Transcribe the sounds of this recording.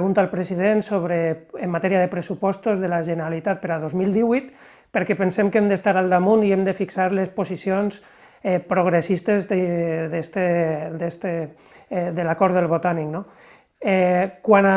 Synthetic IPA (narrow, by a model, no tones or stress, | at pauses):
ɣunt̪alpɾeziðensoβ̞ɾeːmːat̪ɛɾiaðepɾesupɔst̪ozðelaʒenəɾalit̪at̪̚pəɾaðozmilˠd̪iβujt̪ | pəɾkɛpənsemkemd̪est̪aɾalˠd̪amuniemd̪əfiksaɾlesposisions | ɛpɾoɣɾesist̪ezdðest̪ed̪est̪e | d̪elakɔɾd̪elˠβot̪anikno | ɛkwana